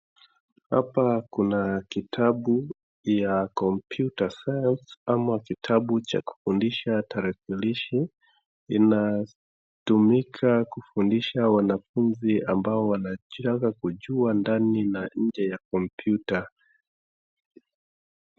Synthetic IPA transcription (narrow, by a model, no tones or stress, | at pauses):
ha̰pakunakitʰaɓu | jakɔmpjutasajansamakitʰaɓut͡ʃa̰ku̥fundiʃataɾakiliʃi | ina | tumikʰakufundiʃawanafunziambaɔwanatakakuʄuandaninaɲ̩d͡ʒɛjakɔmpʰjuta